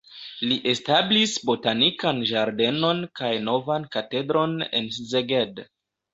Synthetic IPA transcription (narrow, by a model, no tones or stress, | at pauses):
liʔe̞stablisbo̞tanikanʒaɾde̞no̞nkajno̞vankate̞dɾo̞ne̞̰nszeɡed